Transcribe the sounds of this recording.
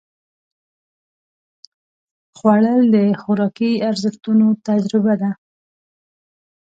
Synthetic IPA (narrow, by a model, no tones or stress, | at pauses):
xwaɽəld̪əxʊɾɑkiaɾzəxt̪unot̪ad͡ʒɾɪbad̪a